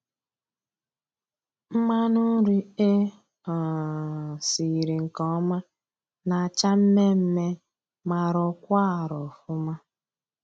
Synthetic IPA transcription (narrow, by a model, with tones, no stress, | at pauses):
m̩˦ma˦nu˦ɾi˦e˦ | a˨ | si˨i˨ɾi˨ŋ̩˨kɔ˦ma˦ | na˨a˨t͡ʃa˦m̩˦me˦m̩˦me˦ | ma˨ɾɔ˦kʷa˦a˨ɾɔ˨fʊ˦ma˦